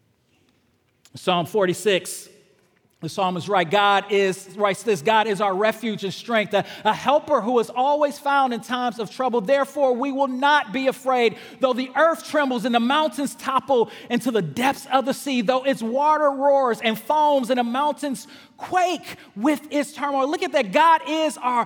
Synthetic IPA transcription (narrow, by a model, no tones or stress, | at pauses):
sɑɱfɔɹɾisɪks | ðɨsɑmɨzɹaɪt̚ɡ̥ɑɾɪz̥ɹaɪtsðɪsɡ̥ɑɾɨzaʊə˞ɹɛfjʉd͡ʒɨ̃nstɹ̥ɛ̃ŋk̚θɨəhɛlˠpə˞ɦuəzɔlˠwiz̥fãʊ̃ndɨ̃ntʰãɪ̃mzʌv̥tʰɹ̥ʌbl̩ˠðɛɹfɔɹwiwɪlˠnət̚b̥iɨfɹeɪd̪̚ | ðoʊðiʔɜ˞θtʰɹ̥ɛ̃mbl̩ˠzɨ̃nðəmãʊ̃ntɨ̃nz̥tʰɑpl̩ˠɪ̃ntʰʉðɨdɛp̚θsʌvðɨsiðoʊɪtswɔɾə˞ɹɔɹzɨ̃nfõʊ̃mzɨ̃nəmãʊ̃ntɨ̃nz̥ | kʰw̥eɪk | wɪðɪtstʰɜ̃˞molʊkɨt̪̚ðɨt̚ɡ̥ɑɾɪzaə˞